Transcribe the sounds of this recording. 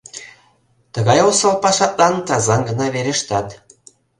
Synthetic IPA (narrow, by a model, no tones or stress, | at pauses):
t̪ə̆ɣɑjosəlpɑʃɑt̪lɑnt̪ɑzɑnɡə̆nɑβeɾeʃt̪ɑt̪